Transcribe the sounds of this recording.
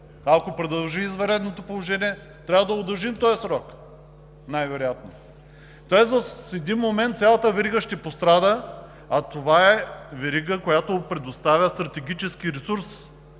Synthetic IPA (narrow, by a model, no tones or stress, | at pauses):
akopɾɛd̪ɐlˠʒiːzvɐɾɛd̪not̪opolˠoʒɛniɛ | t̪ɾʲavəd̪ɐod̪ɐɾˠʒimt̪ɔjsɾɔk | najvɛɾojat̪no | t̪ɔɛsvɐsɛd̪inmomɛnt̪sʲjalˠət̪əvɛɾiɡəʃt̪ɛpost̪ɾad̪ə | at̪ovaɛvɛɾiɡəkojat̪opɾɛd̪ost̪avʲəst̪ɾɐt̪ɛɡ̟it͡ʃɛskiɾɛsuɾs